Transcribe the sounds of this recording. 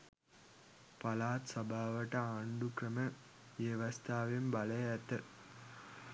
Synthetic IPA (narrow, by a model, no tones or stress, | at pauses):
pɐlaːt̪sɐbʱaːʋɐʈːɐaːɳɖukɾɐmɐ | ʋeʋɐst̪ʰaːʋimbɐlɐjɐt̪ːɐ